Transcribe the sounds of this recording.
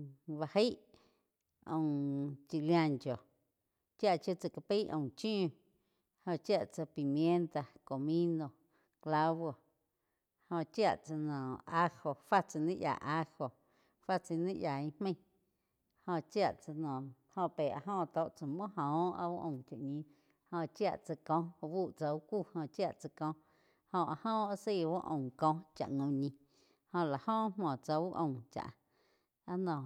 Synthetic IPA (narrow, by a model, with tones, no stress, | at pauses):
βa˧he˦ʔ | õ˧˨t͡ʃi˧ljã˧ŋko˨ | t͡ʃja˦˨ʔt͡ʃo˧t͡sa˧˨ka˧pi˦ʔõ̰˧˨t͡ʃĩː˦ | hõ˧t͡ʃja˦˨ʔt͡sa˧pi˨mjẽ˦nt̪a˧ko˨mĩ˦no˧ | kla˦βo˧ | hõ˧ʔt͡ʃja˧˨ʔt͡sa˧nɔ̃ː˨a˦ho˧fa˦t͡sa˧nĩ˦ʔja̰˨ʔa˦ho˧ | fa˦t͡si˧nĩ˦ʔjaː˨ĩ˧hmẽ˦j̃ | hõ˧ʔt͡ʃja˦˧ʔt͡sa˧nɔ̃˨hõ˧pe˨a˧ɦɔ̃˦˧ʔt̪o˧ʔt͡sa˧mɔ̃˦ɦɔ̃ː˨˦a̰˧u˦ʔõ˧˨t͡ʃa̰˨ʔɲĩ˧ | hõ˧˨t͡ʃja˦˧ʔt͡sa˧kɔ̃˧˨bu˦˨ʔt͡sa˧u˦ku˦˨hõ˧t͡ʃja˦˨ʔt͡sa˧kɔ̃˧˦ | hõ˧ʔa˧hɔ̃˦a˧si˦˨wu˦ʔõ̰˨kɔ̃˧t͡ʃa̰˨ʔŋõ˧˨ɲĩ˧ | hõ˧la˨hɔ̃˦ʔmmɔ̃˨t͡sa˧u˦ʔõ˨t͡ʃa̰˨ʔ | a˧nɔ̃˨